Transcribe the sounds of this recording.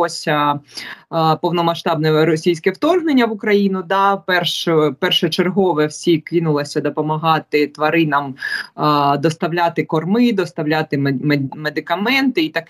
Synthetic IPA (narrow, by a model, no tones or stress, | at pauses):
ɔsʲɐ | pɔwnɔmɐʃt̪ɑb̚nɛɾɔsʲijsʲkɛwt̪ɔrɦnenʲːɐʋʊkɾɐjinʊd̪ɑpɛrʃɛpɛrʃɛt͡ʃerɦɔʋɛwsʲikɪnʊlˠɐsʲɐd̪ɔpɔmɐɦɑt̪ɪt̪ʋɐɾɪnɐm | d̪ɔst̪ɐwlʲat̪ɪkɔrmɪd̪ɔst̪ɐwlʲɑt̪ɪmmed̪ɪkɐmɛnt̪ɪit̪ɐk